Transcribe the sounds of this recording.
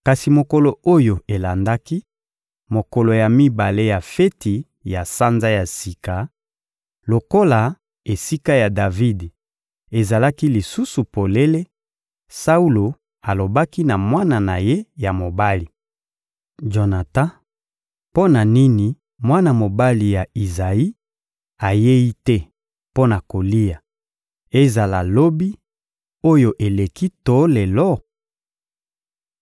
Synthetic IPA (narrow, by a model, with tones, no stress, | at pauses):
ka˨si˨mo˨ko˦lo˨o˦jo˨e˨la˨nda˦ki˦ | mo˨ko˨lo˨ja˨mi˦ba˨le˦ja˨fe˦ti˨ | ja˨sa˦nza˦ja˨si˨ka˨ | lo˨ko˦la˨ | e˨si˦ka˦ja˨da˨vi˦d | e˨za˨la˦ki˦li˨su˦su˨po˨le˦le˦ | sa˦u˦lo˨ | a˨lo˨ba˦ki˦na˨mwa˦na˨na˨je˦ja˨mo˨ba˦li˨ | ʒo˨na˨tã˦ | po˦na˨ni˦ni˨ | mwa˦na˨mo˨ba˦li˨ja˨i˨za˨i˦ | a˨je˦ji˦tɛ˦ | po˦na˨ko˨li˦ja˨ | e˦za˨la˨lo˦bi˦ | o˦jo˨ʔe˨le˨ki˦to˨˦le˨lɔ˦